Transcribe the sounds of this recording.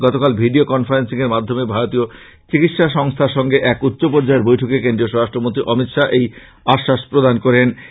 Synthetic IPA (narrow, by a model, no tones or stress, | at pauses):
ɡɔt̪okalbʱiɖiokɔnfaɾensiŋeɾmad̪ʱːomebʱaɾot̪io | t͡ɕikit̪ʃaʃɔŋst̪ʰaɾʃɔŋɡeʔɛkutːɕopɔɾd͡ʑaeɾbojʈʰokekend̪ɾioʃoɾaʃʈɾomont̪ɾiʔɔmit̪ʃaʔej | aʃːaʃpɾod̪ʱankoɾen